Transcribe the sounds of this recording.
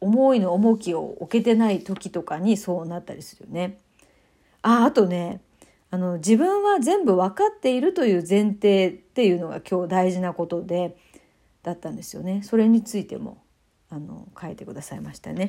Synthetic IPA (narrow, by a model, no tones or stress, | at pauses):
omo̞ino̞ːmo̞kʲio̞̰oke̞t̪e̞nait̪o̞kʲi̥t̪o̞kaɲ̟iso̞ːnat̪ːaɾʲisɨ̥ɾɯ̟jo̞ne̞ | aːt̪o̞ne̞ | ano̞d͡ʑibɯ̟̃ɰ̃βazẽ̞mbɯ̟βakat̪ːe̞iɾɯ̟t̪o̞jɯ̟ːzẽ̞nt̪e̞ːt̪ːe̞jɯ̟ːno̞ɡa̰kʲo̞ːd̪aiʑinako̞t̪o̞d̪e̞ | d̪̥at̪ːãnd̪e̞sɨjo̞̰ne̞so̞ɾe̞ɲ̟it͡sɨit̪e̞̰mo̞̰ | ano̞̰kaet̪e̞kɯ̟d̪asaimaɕi̥t̪a̰ne̞